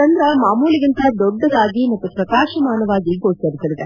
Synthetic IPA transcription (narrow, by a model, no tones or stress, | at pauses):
ɐnd̪ɾɐmaːmuːlɪɣɐnt̪ɐd̪ɔɖːɐðaːɡimɐt̪ːɯpɾɐkaːʂɐmaːnɐʋaːɡikoːɐɾɪsɐʋɪðɐ